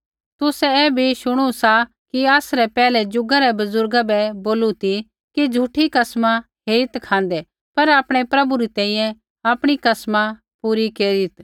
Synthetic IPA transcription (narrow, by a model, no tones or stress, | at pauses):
t̪ʊsɛɛːbʱiʃʊɽ̃usa | kiaːsɾɛpɛːlɛd͡ʒʊɡaɾɛbɐzʊɾɡabɛboːlut̪i | kid͡ʒʱuːʈʰikɐsma | ɦeːɾɪt̪kʰãːnd̪ɛ | pɐɾaːpɽ̃ɛpɾɐbuɾit̪ɛ̃ːĩːjɛ̃ | aːpɽ̃ikɐsma | puːɾikeːɾɪt̪